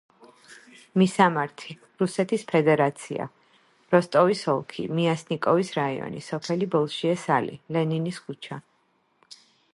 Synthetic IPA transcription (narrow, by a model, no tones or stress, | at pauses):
misamaɾt̪ʰi | ɾusɛt̪ʰispʰɛd̪ɛɾat̪sʰia̰ | ɾɔst̪ʼɔvisɔlˠkʰḭmiasnikʼɔvisɾaiɔ̰nḭsɔpʰɛlibɔlˠʃiɛsalḭlɛniniskʰut͡ʃʰa